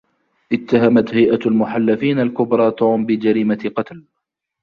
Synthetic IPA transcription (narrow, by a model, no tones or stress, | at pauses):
ʔɪt̪ːaɦamat̪hajʔaalmʊħalːafiːnalkʊbɾˤɑːt̪uːmbɪd͡ʒaɾiːmaqɑt̪l